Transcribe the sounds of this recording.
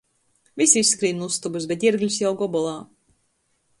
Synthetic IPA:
vʲisʲiisːkɾiːnust̪ubɨsbʲɛt̪̬iɾɡlʲsjawɡɔbɔlˠaː

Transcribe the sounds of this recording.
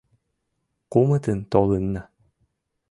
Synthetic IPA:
qumɯt̪ɯnt̪ɔlˠɯnːa

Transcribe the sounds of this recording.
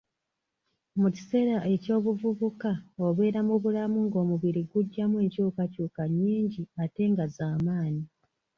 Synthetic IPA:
muci̥se̞ːɾaʔe̞co̞ːβuvuβukaoβe̞ːɾamuβulamuŋɡo̞ːmuβiɾiɡuɟːamwe̞ːɲcuːkacuːkaɲːiːɲɟiate̞ŋɡazaːmaːɲi

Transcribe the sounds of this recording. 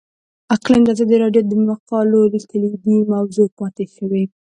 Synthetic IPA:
aqland̪azɑd̪iɾɑɖjod̪əmaqɑlolikəlib̪imawzopɑt̪eʃəwe

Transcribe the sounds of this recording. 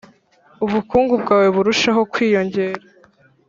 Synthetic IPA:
uβukuːŋɡub̚ɡaːwe̞βuɾuʃaɦo̞kwiːjo̞ɲɟe̞ːɾa

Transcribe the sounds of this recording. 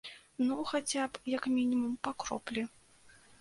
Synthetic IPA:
nuxat͡sʲapjɐkmʲinʲimumpakɾɔ̰plʲi

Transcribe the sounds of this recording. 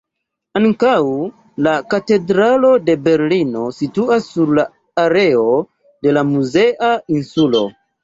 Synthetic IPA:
aŋkaw | lakate̞dɾalo̞de̞be̞ɾlino̞situasːuɾlaː | ɾe̞o̞ | de̞lamuze̞ʔainsulo̞̰

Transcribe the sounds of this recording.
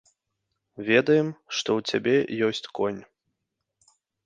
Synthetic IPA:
vʲɛd̪ɐjɛmʂt̪ɔwt͡sʲabʲɛjɔsʲt͡sʲkɔnʲ

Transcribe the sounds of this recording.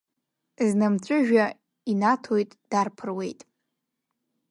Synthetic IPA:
znamt͡ɕʷʼʊʒᶣa | inatʰojtʼd̥arpʰɨrwe̞̰jtʼ

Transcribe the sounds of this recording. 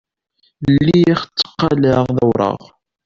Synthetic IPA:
lːiæχt͡sːə̥qːɑlæʁðæwɾˤə̰ʁ

